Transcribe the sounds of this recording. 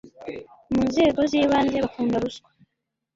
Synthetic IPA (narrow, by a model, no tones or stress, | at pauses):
muːnze̞ːɡo̞ziːβaːnze̞βakuːndaɾuskwḁ